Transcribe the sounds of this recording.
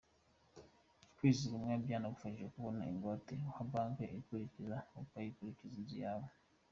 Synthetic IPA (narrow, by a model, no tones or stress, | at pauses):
kwiːziɡumŋabjaːnaɡufaiʒɡekuβona̰iŋɡoteuhabaːŋkeʔekuɾicizaukwajikuɾicizizijaːβo